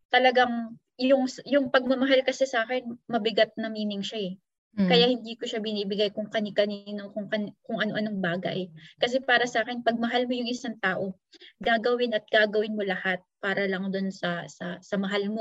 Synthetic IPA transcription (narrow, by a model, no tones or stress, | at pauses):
t̪ɐlɐɡaŋ | jʊŋsjʊŋpɐɡ̚mɐmɐɦalkɐsɛsɐaːkɛnmɐbɪɡat̪̚nɐmiːnɪŋʃaɛ | kɐjahɪnd̪iːko̞ʃabɪniːbɪɡajkʊŋkɐnikɐniːnokʊŋkɐnkʊŋʔɐno̞ʔɐnoŋbaːɡɐ̰ʔɛkɐs̬ɛpaːɾɐsɐʔaːkɛnpɐɡ̚mɐɦalmojʊŋʔɪsaŋt̪aːʔo̞ | ɡaːɡɐwɪnɐt̪̚ɡ̥aːɡɐwɪnmo̞lɐhat̪̚paːɾɐlɐŋd̪onsɐsɐ̰sɐmɐɦalmo̞